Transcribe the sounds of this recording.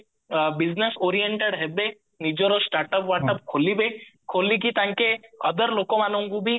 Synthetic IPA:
biznesoːɾijeɳʈeɽɦɛbe | nid͡ʒoɾosʈaːɾʈəpʋaːʈəp̚kʰolibekʰolik̬it̪ãŋkeə̰d̪əɾloːkõmanə̃ŋɡubʱi

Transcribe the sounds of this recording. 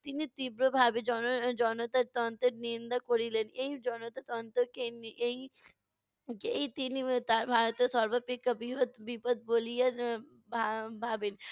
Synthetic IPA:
t̪init̪iːbɾobʱaːbid͡ʒɔːnod͡ʒɔːnot̪ɐt̪ɔːnt̪eɾnind̪akoɽileneid͡ʒɔːnot̪at̪ɔːnt̪okenei | keit̪init̪abʱaːɾt̪osɔɾbɐpikɐbʱiot̪bipət̪̚boːlijɐ | babʱaːbin

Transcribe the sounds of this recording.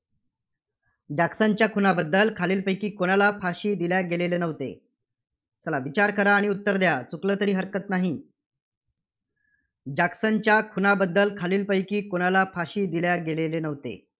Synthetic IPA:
d͡ʑaksaɲt͡ɕjakʰunabəd̪ːəlkʰaliːlpəjkiːkoɽalafʰaɕiːd̪iljaɡelelenəʋt̪ḛ | səlaʋit͡ɕaɾkəɾaːɽ̃iut̪ːəɾd̪jat͡suklət̪əɾiːɦəɾkət̪naɦi | d͡ʑaksaɲt͡ɕjakʰunabəd̪ːəlkʰaliːlpəjkiːkoɽ̃alafʰaɕiːd̪iljaɡelelenəʋt̪ḛ

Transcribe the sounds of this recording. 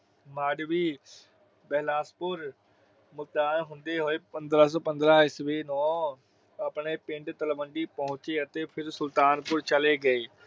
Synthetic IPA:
maːɖʋiː | bɛːlaːspʊɾ | mʊt̪aːnɦʊ̃nd̪eːɦoːeːpə̃nd̪ɾaːs̬ɔːpə̃nd̪ɾaːɪsʋeːnɔː | ɐpɳeːpɪ̃ɳʈt̪əlʋəɳɖiːpəɦʊ̃t͡ʃeːət̪eːpʰɪɾsʊlt̪aːnpʊɾt͡ʃəleːɡəeː

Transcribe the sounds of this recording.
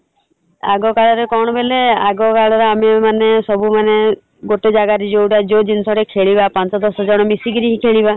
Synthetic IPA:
a̰ɡɔkaɭɔɾekɔɽ̃ɔbeleaɡɔkaɭɔɾɔamemanesɔbumane | ɡoʈed͡ʒaɡaɾid͡ʒowɽad͡ʒod͡ʒinsɔɽekʰeɭibapant͡ʃɔd̪ɔsɔd͡ʒɔɽ̃ɔmisiɡiɾiɦikʰeɭiba

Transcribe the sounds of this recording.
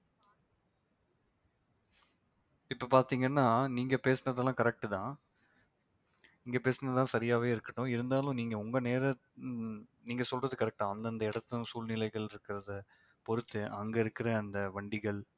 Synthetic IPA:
ɪpːɐpaːɾt̪iːŋɡɐnːaːniːŋɡɐpeːsɐnɐðɛlãːkɐɾɛk̚ʈɯt̪ãː | niːŋɡɐpeːsɐnɐðt̪ãːsɐɾɪjaːʋeːɪɾɯkːɐʈːʊ̃ɪɾɯnd̪aːlʊ̃niːŋɡɐʊŋɡɐneːɾɐ | niːŋɡɐsɔlrɐðɯkɐɾɛk̚ʈãːɐnd̪ɐɐnd̪ɐɪɽɐt̪ːɯ̃suːlnɪlɐɪɣɐɭɪɾɯkːɪɾɐðɐ | pɔɾɯt̪ːɯʔɐŋɡɐɪɾɯkːɪɾɐːnd̪ɐʋɐɳɖɪɣɐɭ

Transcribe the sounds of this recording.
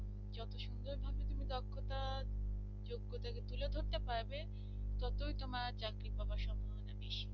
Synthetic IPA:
d͡ʑɔt̪oʃund̪oɾbʱabet̪umid̪ɔkʰːot̪a | d͡ʑoɡːot̪aket̪uled̪ʱoɾt̪epaɾbe | t̪ɔt̪ojt̪omaɾt͡ɕakɾipabaʃɔmbʱobona̰beʃi̥

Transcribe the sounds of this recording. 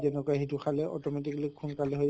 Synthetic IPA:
ɛnɔkɔjaɦituxʰalɛʔɔ̰tɔmɛt̬iklikxʰunkalɛɦoj

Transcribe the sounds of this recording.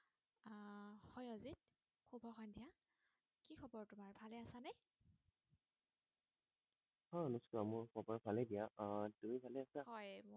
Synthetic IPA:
hɔjɔzit̚ | kʰubʱɔxɔndʱija | kikʰɔbɔɹtʊmaɹbʱalɛasanɛ | hɔnuskɔamʊɹkʰɔbɔɹpʰalɛdijatumibʱalɛasahɔj

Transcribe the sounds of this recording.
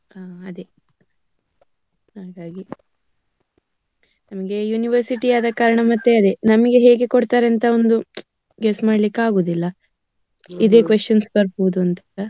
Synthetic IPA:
aːɐd̪e | haːɡaːɡi | nɐmɐɡe̞juːniʋɐɾsiʈiaːd̪ɐkaːɾɐɳɐmɐt̪ːeɐd̪e̞nɐmɐɡe̞ɦe̞ːɡe̞koɽt̪aːɾeɐnt̪ɐo̞nd̪u | ɡesmaːɖlikːaːɡoːd̪ilːɐ | id̪e̞ːkʋeʂt͡ʃɐnsbɐɾbɔʋud̪uɐnt̪ɐɐ

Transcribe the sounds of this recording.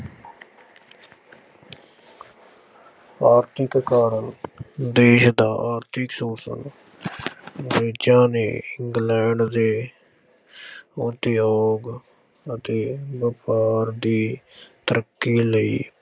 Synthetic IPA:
aːɾt̪ʰɪkkaːɾənd̪eːʃd̪aːʔaːɾt̪ʰɪksoːsə̰n | ʋeːd͡ʒãːnḛːɪŋɡlɛ̃ːɳɖd̪eː | ʊt̪eːɔːɡ | ət̪eːbəpaːɾd̪iːt̪əɾəkːiːləḭː

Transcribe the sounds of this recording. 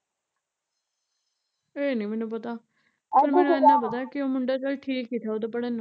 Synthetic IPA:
eːnəːmɛːnũp̬ət̪aː | pəɾmɛːnũɪnːãːp̬ət̪aːkɪoːmʊɳɖaːt͡ʃəlʈʰiːkːiːt̪ʰaːoːd̪apəɽen

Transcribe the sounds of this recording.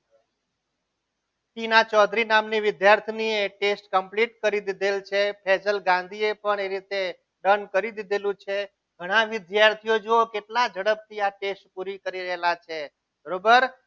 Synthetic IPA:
t̪inat͡ʃɔd̪ɾinamniʋɪd̪jaɾt̪ʰnieʈesʈkəmpliʈ̚kəɾid̪id̪elt͡ʃʰepʰɛd͡ʒəlɡãnd̪ʱiepəɳeɾit̪e | ɖənkəɾid̪id̪elũt͡ʃʰe | ɡʱəɽ̃ãʋɪd̪jaɾt̪ʰijod͡ʒookeʈlad͡ʒʱəɽəp̚t̪ʰiaʈesʈpuɾikəɾiɾəɦelat͡ʃʰe | bʱəɾobəɾ

